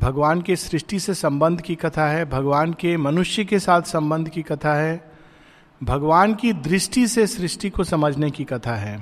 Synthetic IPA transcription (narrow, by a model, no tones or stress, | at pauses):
bʱɐɡʋaːnkesɾɪʃʈisesɐ̃mbə̃nd̪ʱkikɐt̪ʰaɦɛbʱɐɡʋaːnkemɐnʊʃjəkesaːt̪ʰsɐ̃mbə̃nd̪ʱkikɐt̪ʰaɦɛː | bʱɐɡʋaːnkid̪ɾɪʃʈisesɾɪʃʈikosɐməd͡ʒʱnekikɐt̪ʰaɦɛː